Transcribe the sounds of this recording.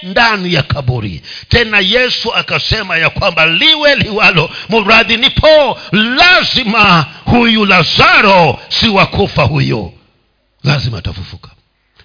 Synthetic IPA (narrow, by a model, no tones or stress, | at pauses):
ndanijakʰaɓuɾḭ | tɛnajɛsuakasɛmajakwambaliwɛliwalɔmuɾaðinipʰɔlazimahujulazaɾɔsiwakʰufahujɔ̰ | lazima̰ːta̰fṵfukḁ